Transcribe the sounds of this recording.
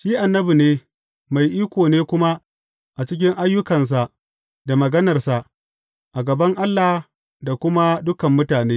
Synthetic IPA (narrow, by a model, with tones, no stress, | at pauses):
ʃiː˦ʔa˨nːɐ˦bi˨neː˦ | ma˨jʔiː˦kʷoː˨neː˦kʷʊ˦ma˦ | ʔa˨t͡ʃɪ˦kʲɪ˦ŋʔa˦jːʊ˦kɐ˨ns̬a˨ʔ | da˨mɐ˨ɡɐ˦nɐ˨rsa˨ʔ | ʔa˨ɡɐ˨bɐ˦ŋʔa˦lːa˨h | da˨kʷʊ˦ma˦dʊ˦kɐ˨mːʊ˦taː˨neː˦